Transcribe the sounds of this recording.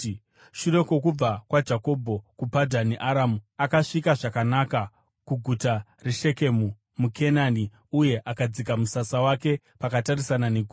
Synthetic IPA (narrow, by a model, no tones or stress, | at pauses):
ʃure̞ko̞kub͡vakwad͡ʒako̞bʱo̞kupadʱaniʔaɾamuakaʂikaʐakanaka | kuɡʱuta | reʃe̞ke̞mu | mukʰenani | uje̞ʔakad͡zik̬amusasawake̞ | pakatarisananeɡʱu